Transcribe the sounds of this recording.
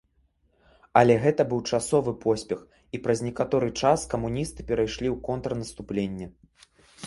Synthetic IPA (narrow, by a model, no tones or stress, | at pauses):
ɐlʲɛɣɛt̪ɐbɨwt͡ʂasɔvɨpʰɔsʲpʲɛx | ipɾɐzʲnʲɛkat̪ɔɾɨt͡ʂaskɐmunʲist̪ɨ̥pʲɛɾajʂlʲiwkɔnt̪ɾɐnɐst̪uplʲenʲːɛ